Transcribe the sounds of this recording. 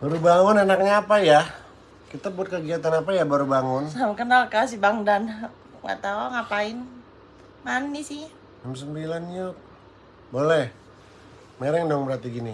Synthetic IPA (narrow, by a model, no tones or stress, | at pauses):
baɾubaŋʊnanak̚ɲaːpaja | kit̪abuat̪̚kəɡiat̪anapajabaɾubaŋʊnsamakənalkas̬ibaŋdan | ŋɡa̰ʔt̪auŋapaɪn | manːisɪ | ams̬əmbilanɲot̚ | bolɛh | meɾɛŋdɔŋbəɾart̪iɡini